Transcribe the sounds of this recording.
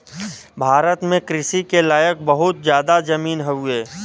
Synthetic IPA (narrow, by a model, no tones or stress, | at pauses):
bʱaːɾət̪mẽkɾɪʃikelaːjək̚bəɦʊt̪̚zjaːd̪azɐmiːnɦɛɦueː